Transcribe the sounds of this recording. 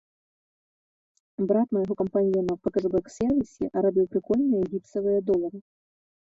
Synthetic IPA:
bɾat̪mɐjɣɔkɐmpanʲjɛnɐpɐkɐʐɨbɛksʲɛrvʲisʲɛ̰ʔɐɾabʲiwpɾɨkɔlʲnɨjɐɣʲip̪̚sɐvɨjɐd̪ɔlˠɐɾɨ

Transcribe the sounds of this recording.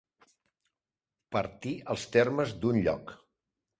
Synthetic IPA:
pəɾt̪iəlˠst̪eɾməzd̪unʎɔ̰k

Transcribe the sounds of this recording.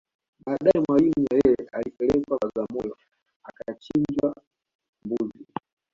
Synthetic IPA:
ɓaːɗaɛmwalimuajɛjɛʔalipɛlɛkwaazamɔjɔ | akat͡ʃiɲd͡ʒwa | mbuzi

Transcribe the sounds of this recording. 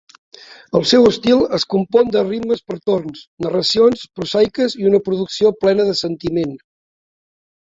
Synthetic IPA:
əlˠsɛwəst̪ilˠəskumpɔnd̪əribməspəɾt̪ornsnərəsionspɾuzajkəziunəpɾuðuksioplɛnəðəsənt̪imen

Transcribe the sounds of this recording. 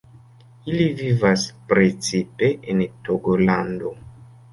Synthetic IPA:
ilivivaspɾet͡sipe̞ʔentoɡolando

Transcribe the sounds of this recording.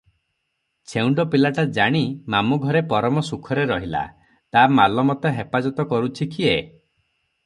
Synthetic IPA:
t͡ʃʰewɳɖɔpilaʈad͡ʒaɽ̃imamuɡʱɔɾepɔɾɔmɔsukʰɔɾeɾɔɦila̰ | t̪amalɔmɔt̪eɦepad͡ʒɔt̪ɔkɔɾut͡ʃʰikʰie

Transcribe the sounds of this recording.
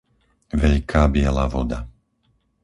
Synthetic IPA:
ʋɛʎkʰaːbɪɛlaʋɔd̪a

